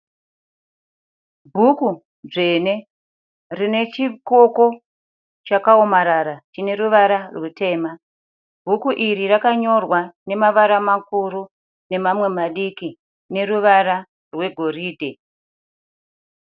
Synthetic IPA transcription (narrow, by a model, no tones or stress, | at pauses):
bʱuku | ʐe̞ne̞ | rine̞t͡ʃiko̞ko̞ | t͡ʃakao̞maɾaɾat͡ʃine̞ɾuʋaɾarwute̞ːma | bʱukuʔirirakaɲo̞rwane̞maʋaɾamakuɾu | ne̞mamwe̞maɗiki | ne̞ruʋaɾa | rwe̞ɡʱo̞riːdʱe